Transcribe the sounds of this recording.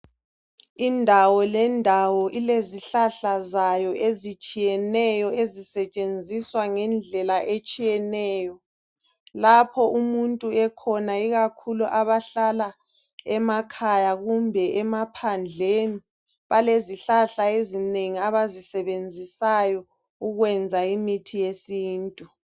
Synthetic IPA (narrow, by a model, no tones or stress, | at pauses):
indʱawɔlɛndʱawɔʔileziɬaɬazajɔʔezit͡ʃʼijɛnɛjɔezisɛt͡ʃʼend͡zʱiswaŋɛnd͡ɮʱɛlaʔet͡ʃʼijɛnɛːjɔ | lapʰɔʔumuntʼuɛkʰɔnaiɣakʰuluʔaβaɬala | ɛmakʰajaɣumbʱɛʔɛmapʰand͡ɮʱeni | βaleziɬaɬaezineŋiaβazisɛβend͡zʱisajɔ | uɣwɛnd͡zʱaimitʰijesiːntʼu